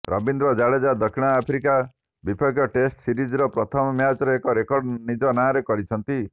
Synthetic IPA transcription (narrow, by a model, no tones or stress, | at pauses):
ɾɔ̰bind̪ɾɔd͡ʒaɭed͡ʒad̪ɔkʰiɽ̃ɔapʰɾika | bipʰɔɡjɔʈesʈsiɾid͡ʒɾɔpɾɔt̪ʰɔmɔmjat͡ʃɔɾeekɔɾekɔɾɖnid͡ʒɔnaɾekɔɾit͡ʃʰɔnt̪i